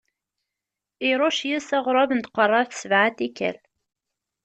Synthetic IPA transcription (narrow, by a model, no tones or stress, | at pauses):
ɪɾˤoʃjæsæʁɾˤɑvənt̪qərˤːɑɾθsəvʕat̪ikːæ̰l